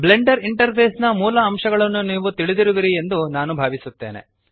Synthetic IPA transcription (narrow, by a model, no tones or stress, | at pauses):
ble̞ɳɖɐɾiɳʈɐɾpʰeːsnɐmuːlɐːmʂɐɡɐɭɐnːuniːʋut̪iɭid̪iɾuʋiɾie̞nd̪unaːnubʱaːʋisut̪ːe̞ːne̞̰